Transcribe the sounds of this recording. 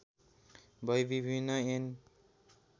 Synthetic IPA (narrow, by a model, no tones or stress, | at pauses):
bʱʌjbibʱinːʌen